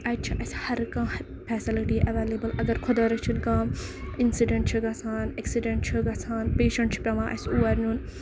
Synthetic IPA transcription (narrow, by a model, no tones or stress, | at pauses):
ɐt͡ʃʰɐʔɐshɐɾkãː | pʰɛːsiliʈiʔɐʋeːleːbəlɐɡɐɾkʰod̪ɐːɾɐt͡ʃʰunkãːinsiɖẽɳʈ̚t͡ʃʰɐɡɐsaːneksiɖeɳʈ̚t͡ʃʰuɡɐsaːnpeːʃɐɳʈt͡ʃʰpʲɐmãːʔɐ̰suːɐɾnun